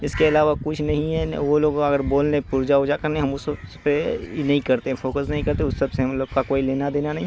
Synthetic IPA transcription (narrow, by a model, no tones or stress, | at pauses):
ɪskeɐlaːʋakʊt͡ʃʰnɐɦĩɦɛʋoloːɡɐɡəɾboːlnepʊɾd͡ʒaod͡ʒakɐɾneɦɐmʊsspenɐɦĩkɐɾt̪eɦɛ̃fʰoːkəsnɐɦĩkɐɾt̪eʊsːɐbseɦɐmloːɡkakoːileːnad̪eːnanɐɦĩ